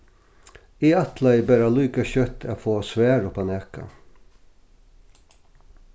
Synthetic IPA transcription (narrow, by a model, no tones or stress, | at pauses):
iːɑt̪lɑiːbæɾɑlʉːkɑçœt̪ʰæːfoːsʋæːɾopʰɑneːkɑ̰